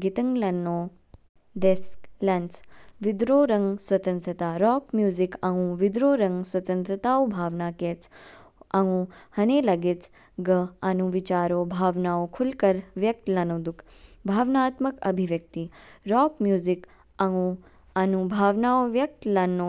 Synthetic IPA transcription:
ɡit̪əŋɡlɐnːoː | d̪esklɐnt͡sʋid̪ɾoːɾɐŋɡswɐt̪ənt̪ɾət̪aːɾɔːkmjuːzikɐɦũʋid̪ɾoːɾɐŋɡswɐt̪ə̃nt̪ɾət̪aːobʱaːʋnaːkeːt͡s | ɐũhɐneːlɐɡet͡s | ɡəanũʋit͡ʃaːɾoːbʱaːʋnaːokʰulkɐɾʋjɐk̚t̪lɐnod̪uk | bʱaːʋnaːt̪məkɐbʱiʋjɐk̚t̪iɾɔːkmjuːzik | ɐŋũ | ɐnũbʱaːʋnaːoʋjɐk̚t̪lɐnːo

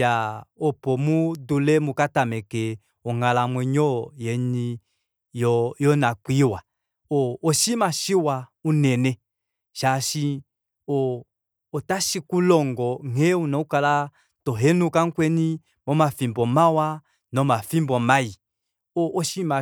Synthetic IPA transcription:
aɔpɔmudulɛmukatamɛke | ɔŋalamwɛɲɔjɛni | jɔjɔnakwiwa | oːʃimaʃiwaunɛnɛ | ʃaʃi | oː | taʃikulɔŋɡɔheunaukala | tɔɦenukaŋ̩kwɛni | mɔmafimbɔmawa | nɔmafimbɔmaji | oʔːʃima

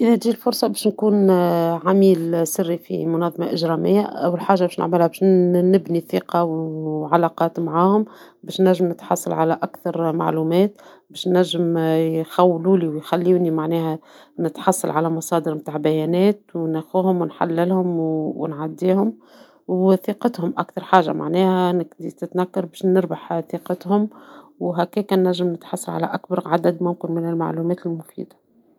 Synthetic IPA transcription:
ʔɪðɛt̪ːilfʊɾsˤɑbɛːʃnkuːnʕamiːlsɪrːifḭmʊnɑðˤːɑmɑʔɪʒɾɑmɪjːaʔæwːəlħaːʒːabɛːʃnɪ̰ʕmɪlhæbɛːʃnɪbniθiqɑwʕalɑqɑːt̪maʕaːhʊm | bɛːʃnæʒːɪmnɪt̪ħɑ̰sˤːɑ̰lʕalæʔækθɑɾˤma̰ʕluːmɛːt̪̚ | bɛːʃnæʒːɪmjxæwːluːliwjxælːunimaʕnɛːhæ | nɪt̪ħɑsˤːɑ̰lʕalæmɑsˤɑːd̪əɾmt̪aːʕbæjɛːnɛːt̪wnæxuːhʊmwɪnħa̰lːɪlhʊmwwɪ̰nʕad̪ːiːhʊm | wθiːqɑt̪hʊmʔækθɑɾˤħaːʒːa̰mʔa̰ʕnɛːhænɪɡd̪it̪ɪt̪nækːɑɾˤbɛːʃnɪɾbaħθiːqɑt̪hʊmwɦækɛːkænːæʒːɪmnɪt̪ħɑsˤːɑlʕa̰læ̰ʔækbɑɾˤʕad̪æd̪mʊmkɪnmɪnɪlma̰ʕluːmɛːt̪ɪlmʊfḭːd̪ḁ

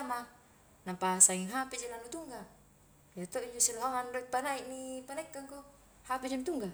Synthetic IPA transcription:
ma | napasaŋiŋɦapid͡ʒenanut̪uŋɡa | jat̪oid͡ʒosilaɦaŋanrot̪̚panaiʔnipanɛkːaŋko | hapid͡ʒemt̪uŋɡa

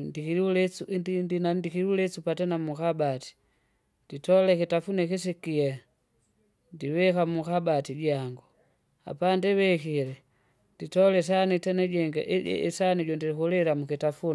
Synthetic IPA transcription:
dikilɛuddinandikiɾulɛsupatɛnamukabati̥ | ditɔlɛkitafunɛkis̬ikia | ndiwɛkamukabatiɟaŋɡu | a̰pandɛwɛkilɛ | nditɔlɛs̬anitɛnɛɟɛŋɡa̰ʔɛ̰ɛsaniɟɔndiɾikulɛɾamukitafun

